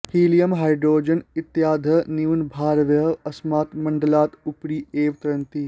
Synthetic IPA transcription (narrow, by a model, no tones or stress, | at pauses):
hiːlijɐmɦaːjɖɾoːd͡ʒɐnɪt̪jaːd̪ʱɐniʋnbʱaːɾʋjɐɦɐsmaːt̪mɐɳɖɐlaːt̪upɽiːeːʋt̪ɾɐnt̪i